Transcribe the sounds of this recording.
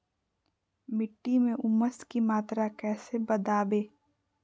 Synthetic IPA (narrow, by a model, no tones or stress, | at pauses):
mɪʈːimẽʔʊmːəskimaːt̪ɾakɛːsebɐd̪aːbeː